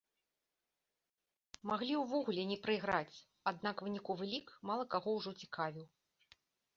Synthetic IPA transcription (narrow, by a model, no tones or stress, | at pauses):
maɣlʲiwvɔɣulʲɛnʲɛpɾɨiɣɾat͡sʲ | ad̪nakvɨnʲikuvɨlʲikmalˠɐkaɣɔwʐɔt͡sʲi̥kʰavʲiw